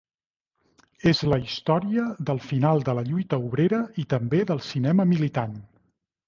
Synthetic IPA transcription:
ezləist̪ɔɾiəðəlˠfinalˠd̪ələʎujt̪əuβ̞ɾeɾəit̪əmbeðəlˠsinɛməmilit̪an

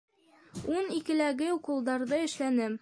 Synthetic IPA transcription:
unikɘ̆læɡɘuqulˠd̪ɑɾðɤɘ̆ʃlænɘm

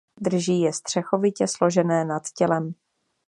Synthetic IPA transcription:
d̪r̩ʒiːjɛst̪r̝̥ɛxo̞vɪcɛslo̞ʒɛnɛːnat̪cɛlɛm

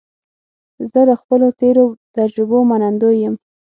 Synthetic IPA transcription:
zələxpəlot̪eɾot̪ad͡ʒɾɪbomanand̪ojəm

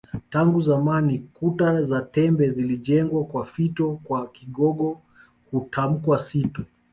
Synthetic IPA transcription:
taŋɡuzamanikutazatɛmbɛziliʄɛŋɡwakwafitɔkwakiɠɔɠɔ | hutʰam̩kwasitɔ

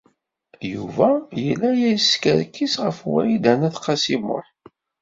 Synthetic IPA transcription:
juvæjəlːæjæjskəɾkːisʁəfwæ̰id̪ænæθqːɑsimʊ̰ħ

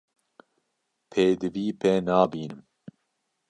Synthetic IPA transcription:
pʰeːd̪ɨviːpʰɛnaːbiːnɨm

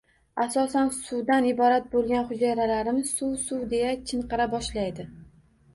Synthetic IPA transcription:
asɒsansʊwd̪anɪbɒɾat̪̚bolˠɡʲanχʊd͡ʒajɾalaɾɪmɪsuwsuwd̪e̞jat͡ʃʰɪɴqɨɾabɒʃlajd̪ɪ

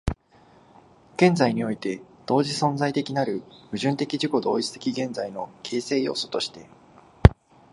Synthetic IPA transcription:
ɡ̥ẽ̞nd͡zaiɲ̟io̞it̪e̞ | d̪̥o̞ːʑisõ̞nd͡zait̪e̞kʲinaɾɯ̟mɯ̟ʑɨ̃nt̪e̞kʲiʑiko̞d̪o̞ːit͡sɨ̥t̪e̞̥kʲiɡẽ̞nzaino̞kʰe̞ːse̞ːjo̞̰ːso̞̥t̪o̞ɕi̥t̪e̞

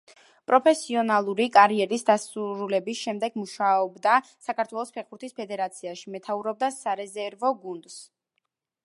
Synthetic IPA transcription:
pʼɾɔpʰɛsiɔnalˠuɾikʼaɾiɛɾisd̪asuɾulɛbisʃɛmd̪ɛɡmuʃaɔbd̪a | sakʰaɾt̪ʰwɛlˠɔspʰɛχbuɾt̪ʰispʰɛd̪ɛɾat̪sʰiaʃimɛt̪ʰauɾɔb̚d̪asaɾɛzɛɾvɔɡund̪s

